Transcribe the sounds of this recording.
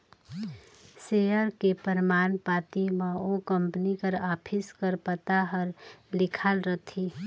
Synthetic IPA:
sejəɾkepəɾmaːnpaːt̪imẽokəmpənikəɾaːpʰɪskəɾpət̪aɦəɾlɪkʰalɾət̪ʰi

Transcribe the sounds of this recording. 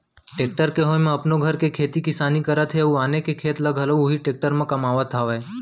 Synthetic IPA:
ʈeːk̚ʈəɾkeɦojmẽɐpnoɡʱɐɾkekʰeːt̪ikɪsaːnikɐɾət̪ɦeuaːnekekʰeːt̪ləɡʱɐloʊɦiʈeːk̚ʈəɾmẽkɐmaːʋət̪ʰaʋe

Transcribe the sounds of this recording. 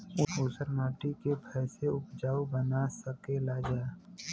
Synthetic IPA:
ʊnoːsəɾnaːʈikebʰʱɛːseʊpd͡ʒaːubənasəkelad͡ʒaːe

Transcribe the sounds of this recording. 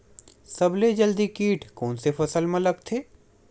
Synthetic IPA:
sɐbled͡ʒəld̪ikiːʈʰkɔːnsepɐsəlmɐ̃ləɡt̪ʰeː

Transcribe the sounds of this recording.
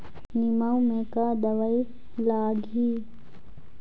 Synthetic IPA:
nimaumẽkad̪əʋəi | laːɡʱiː

